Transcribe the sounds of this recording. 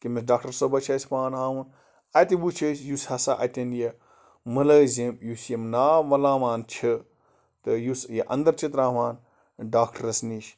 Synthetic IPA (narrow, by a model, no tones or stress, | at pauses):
kimɐsɖaːk̚ʈɐɾsobɐt͡ʃʰɐːsʲpaːnaːwun | ɐt̪ibut͡ʃʰɐsʲjushɐsaːʔɐ̰t̪ʲɐnje | mɐlɐːzʲemjusjemnaːʋɐlaːmaːnt͡ʃʰɐ | t̪ɨjusjeʔɐ̰̃nd̪ɐɾt͡ʃit̪ɾaːʋaːn | ɖaːkʈɐɾɐsniʃ